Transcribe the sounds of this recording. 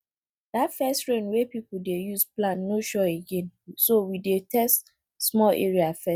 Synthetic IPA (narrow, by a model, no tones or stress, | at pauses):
datfɛstɹẽnwepipudejuzplãnːoʃɔeɡẽnsowidetʰɛst | smɔlʔḛɹiafɛ